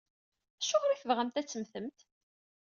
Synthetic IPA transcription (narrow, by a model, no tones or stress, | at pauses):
æʃːʊʁɾiθəvʁæmt̪æt͡sːəmθəmt̪